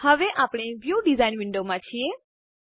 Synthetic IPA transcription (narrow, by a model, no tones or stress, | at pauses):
həʋeʔapɽ̃eʋjuɖizainʋɪɳɖomãt͡ʃʰie